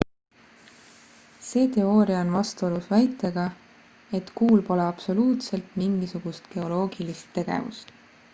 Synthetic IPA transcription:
se̞ːt̪e̞o̞ːɾiɑonvɑst̪uolusvæjt̪ːˑeɡ̥ɑ | e̞t̪kuːlpo̞leɑb̥so̞luːt̪se̞lt̪miŋɡ̥isuɡ̥ust̪ke̞o̞lo̞ːɡ̥ilist̪ːe̞ɡ̥ḛvṵst̪

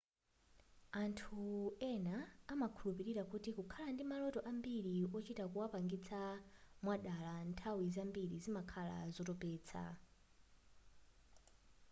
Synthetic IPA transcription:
antʰuɛnaːmakʰulupiɾiɾakutikukʰalandimalɔtɔʔambiɾiɔt͡ʃitakuwapaŋɡit͡sʰamwaɗalantʰawizambiɾizimakʰala̰zɔtɔpɛːt͡sʰa̰

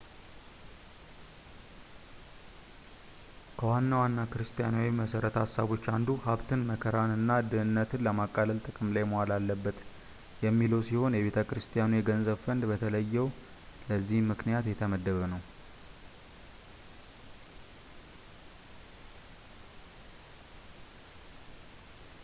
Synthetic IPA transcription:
kʰəwanːawanːakɨɾɨst̪ʼijanawiməsəɾət̪hasːaβo̞t͡ʃːand̪uhaβt̪ʰɨnməkʰəɾanɨnːad̪ɨɨnːət̪ʰɨnləmakʼːaləlt̪ʼɨkʼɨmlajmowalalːəbːət̪ | jɛmːiləwsiho̞njɛβe̞t̪ʰəkɾɨst̪ʼijanujɛɡənzəβfənd̪bət̪ʰələjːɛw | ləzːihmɨknijat̪jɛt̪ʰəməd̪ːəβənəw

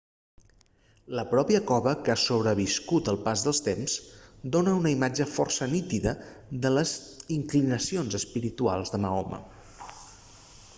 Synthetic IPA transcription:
ləpɾɔpiəkɔβəkasoβɾəβ̞iskut̪əlˠpazðəlˠst̪emzd̪onəunəimad͡ʒəfɔrsənit̪iðə | ðələziŋklinəsionzəspiɾit̪ua̰lˠzðəməɔmə̰

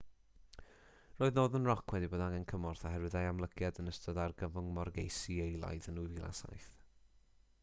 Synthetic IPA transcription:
roːɨðnoːðənrɔkʰwɛdiboːdaŋɛnkʰəmɔrθaɦɛɾwɪðajamlˠəɡʰjadənəstɔdarɡəvʊŋmɔrɡejsiejlˠa̰jðənujvilˠa̰sa̰jθ

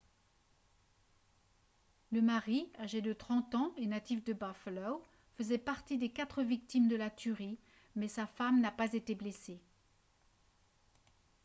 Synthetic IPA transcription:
ləmaʁiaʒed̪ət̪χɑ̃t̪ɑ̃enat̪ifd̪əbaflɔw | fəzɛpaʁt̪id̪ekat̪χəvik̚t̪imd̪əlat̪ʰyʁi | mɛsafamnapazet̪eblese

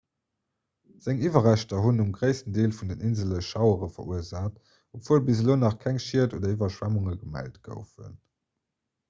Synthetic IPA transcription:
z̥æŋivɐʁæɕtɐɦunumɡʁəɪsəndeːlfundənʔinzələʃʃɑʊəʁəfɐ̰ʔuəzaːt | opv̥uːəlbizəloːnɑχkʰæŋʃiɐtoːdɐivɐʃwæmuŋəɡəmæ̰ltɡ̥ə̰ʊfṵn

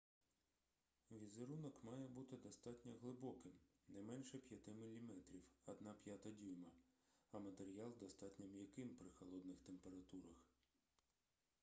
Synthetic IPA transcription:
ʋʲizeɾunɔkmɑjɛbut̪ɪd̪ɔst̪ɑtʲnʲɐɦlˠɪbɔkɪmnɛmɛnʃɛpʲjɐt̪ɪmɪlʲːimɛt̪ɾʲiwɐd̪nɑpʲjat̪ɐdʲijmɐɐmɐt̪eɾʲijɑlˠd̪ɔst̪ɑtʲnʲɐmjɐkɪmpɾɪxɐlˠɔd̪nɪxt̪empe̞ɾɐt̪uɾɐx

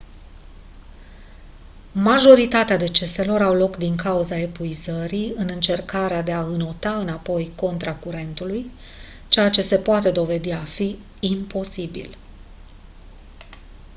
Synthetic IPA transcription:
maʒo̞ɾit̪at̪ead̪e̞t͡ʃe̞se̞lo̞ɾawlo̞kd̪iŋkauzae̞puizəɾiɨnɨnt͡ʃe̞rkaɾead̪e̞aɨno̞t̪aɨnapo̞jko̞nt̪ɾakuɾe̞nt̪uluj | t͡ʃe̞jat͡ʃe̞se̞poat̪e̞d̪o̞ve̞d̪iafi | impo̞sibḭl

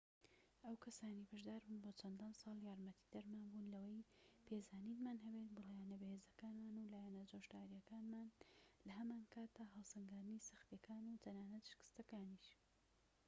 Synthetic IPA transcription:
ʔɐwkʰɐsaːniːbɐʒd̪aːɾbuːnboːt͡sʰɐnd̪ansɑːlˠjaːɾmɐt̪ʰi̥d̪ɐɾmaːnbuːnlɐwɐjpʰezaːninmaːnɦɐbet̪̚bɨljanɐbɐheːzɐkaːnmaːnulaːjɛnɐzoʃd̪aːɾijɐkaːnmaːnlɐɦɐmaːnkʰaːt̪̚aɦɑlˠsɐŋɡaːd̪ɨnisɨxt̪jɐkaːnut̪ʰɐnaːnɐt̪ʃɪ̥kɨ̥st̪ɐkaːniʃ

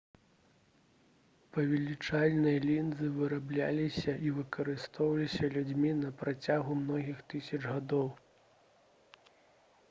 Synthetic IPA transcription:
pɐvʲɛlʲit͡ʂalʲnɐjlʲind̪zɨvɨɾablʲa̰lʲisʲɐʔivɨkɐɾɨst̪ɔwɐlʲisʲɐlʲud͡zʲmʲinɐpɾat͡sʲaɣumnɔɣʲixt̪ɨsʲɐt͡ʂɣad̪ɔw

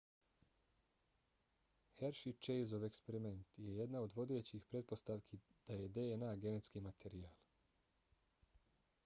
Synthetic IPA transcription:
heɾʃit͡ʃejzoʋekspe̞ɾime̞nt̪je̞je̞d̪nao̞d̪ʋo̞d̪e̞ːt͡ɕixpɾe̞t̪̚po̞st̪aʋkʰid̪̥aje̞d̪eenaːɡe̞ne̞t̪skimat̪ʰe̞ɾijaːl

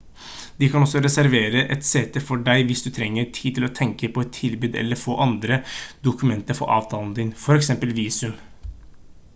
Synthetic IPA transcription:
d̪̥ɪkʰɑnɔsːɔɾɛsæɾʋeːɾəʔɛt̪set̪ːəfɔɖæɪʋɪsd̪ʉt̪ʰɾɛŋːəɾʈʰiːd̪̚t̪ʰɪlɔt̪ʰɛŋkəpʰɔɛt̪ʰːɪlbʉːd̪ɛ̰lːəɾfo̰ːʔɑnd̪ɾəd̪ʊkʉmɛnt̪əɾfɔ̰ʔɑ̰ːʋt̪ʰɑːlnd̪ɪnfɔɾɛksɛmpəlʋiːsʉm

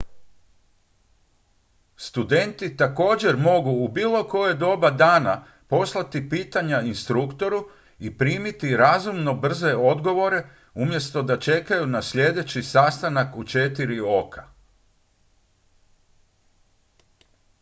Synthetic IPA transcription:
st̪ud̪e̞nt̪it̪ako̞ːd͡ʑe̞ɾmo̞ɡuːbiːlˠo̞ko̞jed̪o̞bad̪aːna | po̞slˠat̪ipiːt̪aɲainst̪ɾukt̪o̞ɾu | ipɾiːmit̪iɾazumno̞br̩ze̞o̞d̪ɡo̞ʋo̞ɾe̞ | umje̞st̪o̞d̪at͡ʃe̞kajunasʎʲe̞d̪e̞t͡ɕisast̪anakut͡ʃe̞t̪iɾio̞kʰḁ

